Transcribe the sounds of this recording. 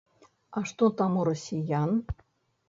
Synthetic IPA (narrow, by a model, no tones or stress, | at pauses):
ɑʂt̪ot̪ɑmuɾosʲijan